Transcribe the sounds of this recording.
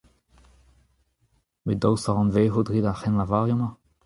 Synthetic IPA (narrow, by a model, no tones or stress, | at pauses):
med̪ɔwsaʁɑ̃nveːɦud̪ʁidaχɛnlavaːʁjɔma